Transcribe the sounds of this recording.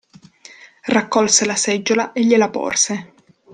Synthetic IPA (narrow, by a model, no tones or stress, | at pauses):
rakːɔlselasɛd͡ʒːolaʔeʎːelapɔ̰rse